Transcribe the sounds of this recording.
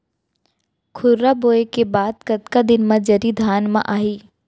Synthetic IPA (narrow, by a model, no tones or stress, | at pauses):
kʰʊɾɾaboːekebaːd̪̚kɐt̪kad̪ɪnmãd͡ʒɐɾid̪ʱaːnmã̰ʔaːɦiː